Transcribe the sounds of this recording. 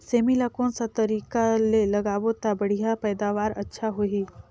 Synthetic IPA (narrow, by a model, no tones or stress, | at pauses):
seːmilaːkõsat̪ɐɾiːkalelɐɡaːʋot̪abɐɽ̤ijapɛːd̪aːʋaːɾɐtːʃʰaɦoiː